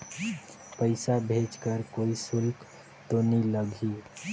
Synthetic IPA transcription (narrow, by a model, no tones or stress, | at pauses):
pəɪsabʱeːd͡ʒkəɾkoːisʊlk | t̪oniləɡʱiː